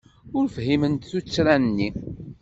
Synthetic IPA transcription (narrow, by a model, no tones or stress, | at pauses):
ʊɾfhimənt̪θut͡sːɾænnːi